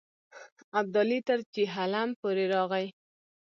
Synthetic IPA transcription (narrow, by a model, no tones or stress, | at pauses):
ab̚d̪ɑlit̪əɾt͡ʃiɦalampoɾeɾɑɣaj